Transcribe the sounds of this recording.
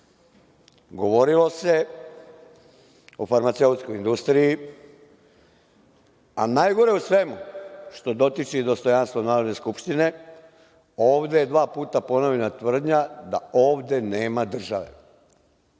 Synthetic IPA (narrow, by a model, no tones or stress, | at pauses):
ɡo̞ʋo̞ɾilo̞se̞ | ofaɾmat̪se̞ut̪sko̞ind̪ust̪ɾiji | anajɡo̞ɾe̞usʋe̞muʃt̪o̞d̪o̞t̪it͡ʃid̪o̞st̪o̞janst̪ʋonaːɾod̪ne̞skupʃt̪ine̞ | o̞ːʋd̪ejed̪ʋaːpuːt̪apo̞noʋenat̪ʋr̩d̪ɲad̪ao̞ːʋd̪e̞ne̞ːmad̪r̩ʒaʋe̞̰